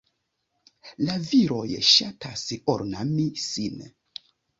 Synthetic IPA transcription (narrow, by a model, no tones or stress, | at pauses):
laviɾo̞jʃatʰasoɾnamisin